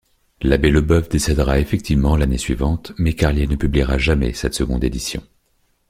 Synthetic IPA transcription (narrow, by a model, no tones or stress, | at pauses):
labɛləbœvd̪esɛd̪ʁaefɛk̚t̪ʰivmɑ̃lanesɥivɑ̃t̪mɛkaʁljenəpybliʁaʒamɛ̰sɛt̪səɡɔ̃d̪ed̪isjɔ̰̃